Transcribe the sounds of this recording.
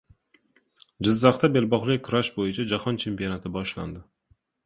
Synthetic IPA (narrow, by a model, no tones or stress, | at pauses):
d͡ʒɪzːaχt̪ʰabe̞lbɒχlɪkʰʊɾaʃbojɪt͡ʃʰad͡ʒahɒnt͡ʃʰe̞mpijonat̪ʰɪbɒʃla̰nd̪ɪ